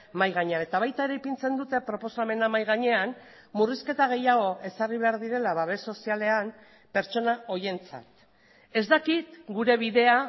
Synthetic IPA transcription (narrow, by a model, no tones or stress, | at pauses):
majɣaɲeane̞t̪aβajt̪aeɾejpint͡se̞nd̪ut̪e̞pɾo̞po̞same̞namajɣaɲe̞an | muriske̞t̪aɣ̞e̞jaɣ̞o̞ʔe̞sariβ̞e̞aɾðiɾe̞laβaβe̞so̞siale̞am | pe̞ɾt͡ʃo̞nao̞je̞nt͡sa̰t̪ | e̞zd̪akit̪ɡuɾe̞β̞iðe̞a